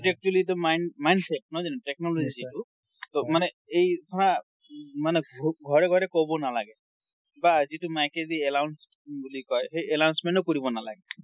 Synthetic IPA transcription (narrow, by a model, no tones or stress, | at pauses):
pd͡ʒek̚ʈbulitʊmajnmajnsep̚nɔzɛnɛtek̚nɔlozizitu | tɔmanɛ | ejtʰɔna | manɛɡʱɔɹɛɡʱɔɹɛkobɔnalaɡɛ | bazitumajkeziɛlawns | bulikɔjɦejɛlawnsmɛ̃ntɔkoɹibɔnala̰ɡɛ